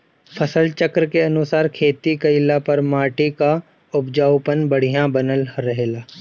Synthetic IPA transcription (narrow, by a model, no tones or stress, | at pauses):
pʰɐsəlt͡ʃəkɾkeɐnʊsaːɾkʰeːt̪ikɐɪlapɐɾmaːʈika | ʊbd͡ʒaːwpənbɐɽ̤ijãbɐnəlɾɐɦeːlaː